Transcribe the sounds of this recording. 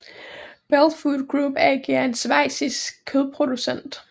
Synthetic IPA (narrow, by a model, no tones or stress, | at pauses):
b̥ælfud̥ɡ̥ʁub̥æɡ̥iɐe̝nsʋɑ̈ɪ̰siskʰːøðˠpʰʁo̝d̥usen̰d̥